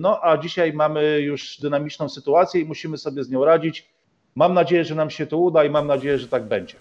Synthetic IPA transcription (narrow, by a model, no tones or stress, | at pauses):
nɔʔad͡ʑiɕajmamɘjuʐd̪ɘnamʲit͡ʂnɔ̃w̃sɘt̪uat̪sʲjɛimuɕimɘsɔbʲjɛzɲɔ̃w̃ɾad͡ʑit͡ɕ | mamnad͡ʑejɛʐɛnamɕɛt̪ɔud̪aimamnad͡ʑejɛʐɛt̪aɡ̚bɛɲd͡ʑɛ